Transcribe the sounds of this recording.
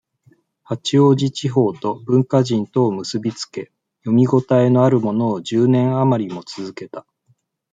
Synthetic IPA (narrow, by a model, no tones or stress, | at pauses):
hat͡ɕio̞ːʑit͡ɕiɦo̞ːt̪o̞bɯ̟̃ŋkaʑĩnt̪o̞ːmɯ̟sɨbʲit͡sɨ̥ke̞ | jo̞mʲiɡo̞t̪aeno̞aɾɯ̟mo̞no̞ːd͡ʑɨːnẽ̞ɰ̃amaɾʲimo̞t͡sɨzɨke̞t̪a